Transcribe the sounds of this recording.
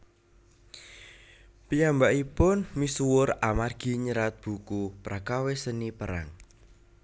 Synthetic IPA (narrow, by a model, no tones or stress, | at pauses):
pijambaʔipʊnmisuwʊɾamarɡ̥i̤ɲəɾat̪̚b̥ṳkupɾakawesənipəɾa̰ŋ